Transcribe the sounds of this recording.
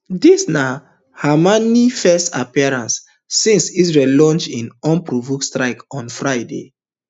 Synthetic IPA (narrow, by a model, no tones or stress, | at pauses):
disna | hamanifɛstapiaɹãnsː | ĩnsisɹellɔ̃nt͡ʃĩnɔ̃npɹovukstɹaɪkɔ̃nfɹaɪdḛ